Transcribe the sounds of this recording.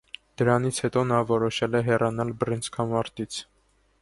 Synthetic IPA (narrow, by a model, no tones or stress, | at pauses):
d̪̥əɾɑnit͡sʰhɛt̪ɔnɑvɔɾɔʃɛlɛɦɛrɑnɑlbɾinskʰɑmɑɾt̪it͡sʰ